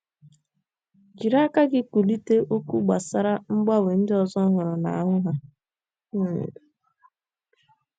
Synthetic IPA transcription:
d͡ʒi˨ɾa˦ka˦ɡɪ˦kʷu˨li˦te˦ʔo˦kʷu˦ɡ͡ba˨sa˦ɾa˦ŋ͡m̩˦ɡ͡ba˦we˨n̩˦dɪ˦ɔ˨zɔ˦ɦʊ˨ɾɔ˨na̰˨a˨ɦʊ˦ɦa˨˦˨

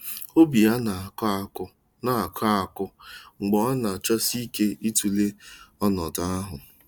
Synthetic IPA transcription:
o˦bi˨a˦na˨kʊ˦ | na˨a˨kʰa˦a˨kʊ˦ŋ͡m̩˨ɡ͡bɔ˨˦a˦na˨t͡ʃɔ˦si˦ke˦i˦tu˨le˦ɔ˦nɔ˨da˨a˦ɦʊ˨

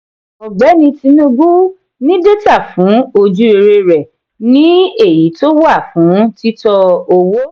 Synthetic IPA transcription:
ɔ˨ɡ͡bɛ˨˦nĩ˧ti˧nũ˦ɡu˦ | nĩ˦de˦ta˦˨fũ˨˦o˧d͡ʒu˦e˧ɾe˧ɾɛ˨ | nĩ˦e˦˨ji˨˦to˦wa˦˨fũ˨˦ti˦tɔ˧o˧wo˦

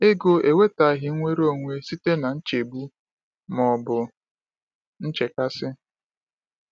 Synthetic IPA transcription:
e˦ɡo˨e˨we˦ta˨ɦɪ˦ŋʷe˦ɾo˦˨ŋʷe˦si˦te˦na˨n̩˦t͡ʃe˨bu˦ | mɔ˨bʊ˨ | n̩˦t͡ʃe˨ka˦sɪ˦

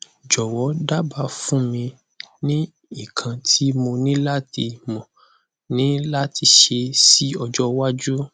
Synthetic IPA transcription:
d͡ʒɔ˨wɔ˨˦da˦ba˨˦fũ˦mĩ˧ | nĩ˦ | i˦˨kʰã˧tʰi˦mo˧nĩ˦la˦ti˧mɔ̃˨ | nĩ˦la˦ti˧ʃe˧si˦ɔ˧d͡ʒɔ˦wa˦d͡ʒu˦

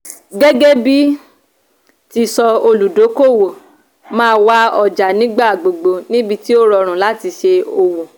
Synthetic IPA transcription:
ɡɛ˦ɡɛ˦bi˦ | ti˧sɔ˧o˧lu˨do˨˦ko˦˨wo˨ | mãː˦˧wa˦ɔ˨d͡ʒa˨nĩ˨˦ɡ͡ba˦˨ɡ͡bo˨ɡ͡bo˧nĩ˦bi˧ti˦o˦ɾɔ˧ɾ̃ũ˨la˦ti˧ʃe˧o˧wo˨

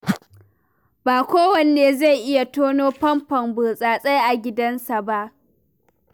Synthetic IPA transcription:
baː˨kʷoː˦wɐ˨nːeː˨za˦˨jʔɪ˦ja˨toː˦noː˦ɸɐ˦mpɐ˨mbuː˨sʼaː˨sʼa˦jʔa˨ɡʲɪ˦dɐ˦nsa˨ba˦ʔ

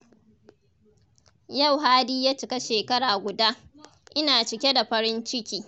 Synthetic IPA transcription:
jɐ˦˨wɦaː˦diː˦jaː˦t͡ʃɪ˨kʲa˦ʃeː˨kɐ˦ɽaː˨ɡʷʊ˨daː˦ | ʔɪ˦naː˨t͡ʃɪ˨kʲe˦da˨ɸɐ˦ɾɪ˦nt͡ʃɪ˦kʲiː˨

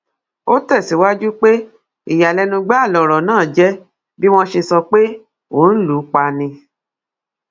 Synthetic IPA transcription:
o˦tɛ˦˨si˨˦wa˦d͡ʒu˦k͡pe˦ | i˨ja˨lɛ˧nũ˧ɡ͡ba˦a˦˨lɔ˨ɾɔ˨nãː˦˨d͡ʒɛ˦ | bi˦w̃ɔ̃˦ʃe˧sɔ˧k͡pe˦ | o˨˦n̩˦lu˨˦k͡pa˧nĩ˧

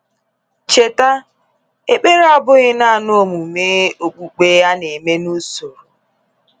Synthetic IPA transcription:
t͡ʃe˨ta˦ | e˦k͡pe˦ɾa˦bʊ˦ɣɪ˦na˦˨no˦o˦˨mu˨me˦o˨k͡pu˨k͡pe˦ja˦ne˨me˦nu˦so˨ɾu˨

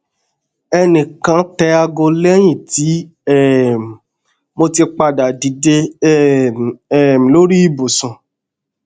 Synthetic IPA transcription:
ɛ˧nĩ˨kã˧˦tɛ˧a˧ɡo˧lɛ˦j̃ĩ˦˨ti˨˦ | ɛ˦˨m˨ | mo˧ti˧k͡pa˧da˨di˨˦de˧˦ | ɛ˦˨m̃˨lo˦ɾi˦i˦˨bo˨sũ˨

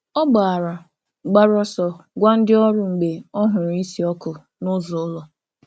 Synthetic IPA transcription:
ɔ˦ɡ͡ba˨a˨ɾa˨ | ɡ͡ba˦ɾɔ˦sɔ˨ɡʷa˦n̩˦dɪ˦ɔ˦ɾʊ˨ŋ͡m̩˨ɡ͡be˨ɔ˦ɦʊ˨ɾi˦si˨ɔ˦kʊ˨ | nʊ˦zʊ˨ʊ˦lɔ˨

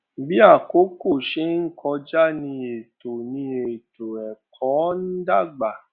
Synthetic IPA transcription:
bi˦a˦˨ko˨˦ko˦˨ʃe˨˦ŋ̩˦kʰɔ˧d͡ʒa˦nĩ˧e˨to˨nĩ˧e˨to˨ɛ˨kʰɔ̃˨˦n̩ĩ˦da˦˨ɡ͡ba˨

